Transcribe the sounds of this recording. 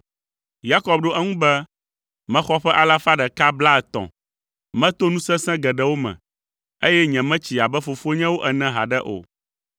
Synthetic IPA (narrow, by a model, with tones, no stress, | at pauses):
ja˦kɔ˦bɖo˦ʔɛ˦ŋũ˦bɛ˦ | mɛ̃˦xɔ˦ɸɛ˦ʔa˨la˦fa˦ɖɛ˨ka˦bla˦ɛ˨t̪ɔ̰̃˨ | mɛ̃˦t̪o˦nũ˦sɛ̃˦sɛ̃˦ɡɛ˨ɖɛ˦wo˦mɛ̰̃˨ | e˦jɛ˦ɲɛ̃˨mɛ̃˦t͡ɕi˨a˨bɛ˦fo˨fo˦ɲɛ̃˦wo˦ʔɛ˨nɛ̃˦ɦa˨ɖɛ˦ʔo̰˨